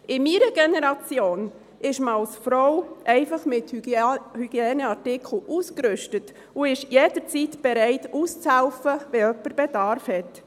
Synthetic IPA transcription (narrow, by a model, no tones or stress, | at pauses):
ɪmiːɾəɡɛnɛɾɑt͡sjoːn | ɪʃməɑlsfɾɔwʔɛɪfɑχmɪthhyɡ̥jɛːnəɑɾtɪkʰl̩ʔuːskɾʏʃtət | ʊɪʃjeːd̥əɾt͡sitb̥ɛɾɛɪtuːst͡shæʊfəvɛœpəɾb̥ɛdɑɾfhɛt